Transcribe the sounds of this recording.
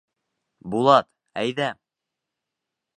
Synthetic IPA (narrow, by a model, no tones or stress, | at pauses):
bulˠɑt̪ | æjðæ